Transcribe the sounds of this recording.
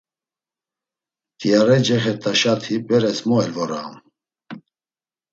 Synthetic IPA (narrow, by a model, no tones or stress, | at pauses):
t̪iaɾɛd͡ʒɛχɛɾt̪ʰʼaʃat̪ʰhipbɛɾɛsmɔɛlvɔɾa̰m